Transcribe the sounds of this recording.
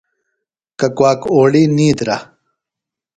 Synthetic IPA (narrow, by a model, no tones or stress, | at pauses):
kɐkwaːkoːɭiːniːd̪ɾa̰